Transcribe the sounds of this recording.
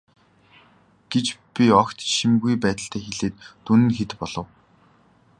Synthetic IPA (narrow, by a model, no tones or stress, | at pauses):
ɡ̥et͡ɕpʲiɔkt̪ʃimɡujpæːt̪ə̆ɬt̪ʰæːxeɮeːt̪ːunɘ̆nxet̪pɔɮ̥ɞ̆w